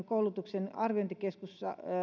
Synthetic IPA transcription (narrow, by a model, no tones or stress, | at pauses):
ŋkoulut̪uksenɑrʋiont̪eɑkeskusːɑ̰